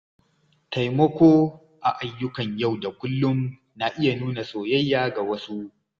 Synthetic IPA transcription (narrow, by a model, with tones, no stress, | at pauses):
ta˨jmɐ˦kʷoː˦ | ʔa˨ʔa˨jːʊ˦kɐ˨ɲja˦˨wda˨kʷʊ˦lːʊ˦m | na˨ʔɪ˦ja˨nuː˦na˨sʼoː˨jɐ˦jːaː˦ɡa˨wɐ˦su˦ʔ